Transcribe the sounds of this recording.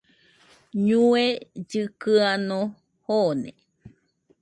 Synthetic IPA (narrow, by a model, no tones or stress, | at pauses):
ɲũed͡ʒɨkɨano | honḛ